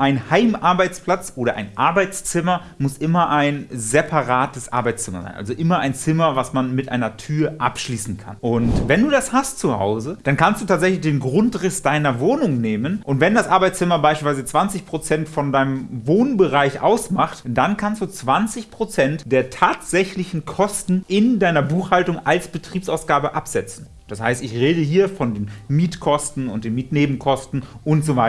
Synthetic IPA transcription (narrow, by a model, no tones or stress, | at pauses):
ʔaɪnhaɪmʔaɐbaɪt͡spl̥at͡sʔoːɾɐʔa̰ɪnʔa̰ɐbaɪt͡st͡sɪmɐ | mʊsʔɪmɐʔaɪnzɛpʰaʁaːtəsʔa̰ɐbaɪt͡st͡sɪmɐ̰za̰ɪnʔa̰lzoʔɪmɐʔaɪnt͡sɪmɐvasmanmɪtʔa̰ɪnɐtʰyːɐʔa̰pʃliːsn̩kʰa̰nʔʊntvɛnduːdashastt͡suha̰ʊzəd̥ankʰanstd̥uːtʰaːtzɛçlɪçd̥eːnɡʁʊntʁɪsd̥aɪnɐvoːnʊŋneːmənʔʊntv̥ɛndasʔaɐbaɪt͡st͡sɪmɐbaɪʃpilsvaɪzət͡sv̥ant͡sɪçpʁ̥ot͡sɛntfɔndaɪnəmvoːnbəʁaɪçʔa̰ʊsmaχtd̥ankʰanstd̥uːt͡sv̥ant͡sɪçpʁ̥ot͡sɛntd̥eːɐtʰaːtz̥ɛçlɪçn̩kʰɔstn̩ʔɪndaɪnɐbuːxhaltʊŋalsb̥ətʁ̥iːpsaʊsɡ̥aːbəʔapz̥ɛt͡sn̩ | d̥asha̰ɪstɪçʁeːdəɦiːɐfɔndeːnmiːtkʰɔstn̩ʊ̰nt̚d̥eːnmiːtneːbm̩kʰɔstn̩ʔʊntz̥ovaɪ